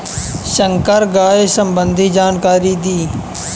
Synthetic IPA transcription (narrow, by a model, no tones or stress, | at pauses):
ʃəŋkəɾɡaːesəmbə̃nd̪ʱid͡ʒaːnkaːɾid̪iː